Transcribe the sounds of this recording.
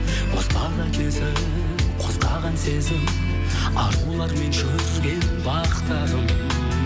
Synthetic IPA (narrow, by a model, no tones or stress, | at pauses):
qʰost̪ɑɾɑt̪ese | qʰoz̥qʰɑʁɑnsezɪm | ɑɾqulˠɑɾme̞nʃɵ | ɪɾɡʲeɪbɑqə̥t̪ɑd̪əm